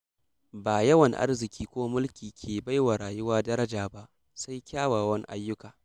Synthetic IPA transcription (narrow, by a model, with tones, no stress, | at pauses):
baː˨jɐ˦wɐ˨ŋʔa̰˦rzɪ˨kʲiː˦kʷoː˦mʊ˦lkʲiː˨kʲʰeː˨ba˦jwa˨ɽaː˨jʊ˦waː˦dɐ˦ɾɐ˦d͡ʒaː˨ba˦ʔ | sa˦jkʲaː˦waː˨wɐ˦ŋ˦ʔa̰˦jːʊ˦kaː˨